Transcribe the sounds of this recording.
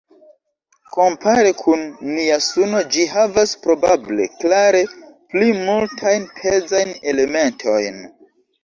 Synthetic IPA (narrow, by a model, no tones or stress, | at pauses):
ko̞mpʰaɾekʰunːiasuno̞d͡ʒiɦavaspɾo̞bable̞̰klaɾe̞plimultʰajnpʰezajne̞le̞me̞ntʰo̞jn